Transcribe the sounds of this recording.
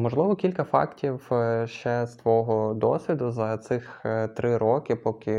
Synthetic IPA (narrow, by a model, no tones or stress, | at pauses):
mɔʒlˠɪʋɔkʲilʲkɐfɑ̰ktʲiwʃt͡ʃɛst̪ʋɔɦɔd̪ɔsʲʋʲid̪ʊzɐt̪sɪxt̪ɾɪɾɔkɪpɔkʲɪ